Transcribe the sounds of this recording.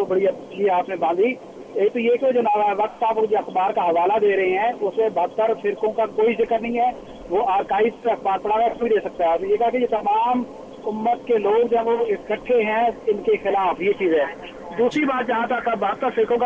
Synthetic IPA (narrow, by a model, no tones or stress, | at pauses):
obɐɽiɐt͡ʃiɦɛaːpnẽbãːnd̪i | eːk̚t̪ojeːkjod͡ʒnaːʋaɦɛʋɐk̚t̪aːpod͡ʒoɐxbaːɾkaɦɐʋaːlad̪eːɾɐɦeɦɛ̃ʊsmẽbɐɦt̪ːəɾfʰɪɾkõkakoːizɪkəɾnəɦĩɦɛː | ʋoaːɾkaːiɐxbaːɾpəɽaːɾakoĩd̪eːsɐk̚t̪aɦɛːsnejeːkɐɦakejet̪ɐmaːm | ʊmːət̪keloːɡd͡ʒoɦɛ̃oɪskəʈʰːeɦɛ̃ɪnkexɪlaːfjet͡ʃiːzɦɛː | d̪uːsɾibaːt̪d͡ʒɐɦãt̪əkːabɐɦt̪ːəɾfɪɾkõk